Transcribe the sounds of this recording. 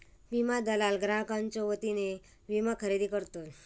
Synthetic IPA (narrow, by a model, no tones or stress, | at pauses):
ʋimad̪əlalɡɾaɦkãnt͡ɕɔʋət̪ine | ʋimakʰəɾed̪ikəɾt̪o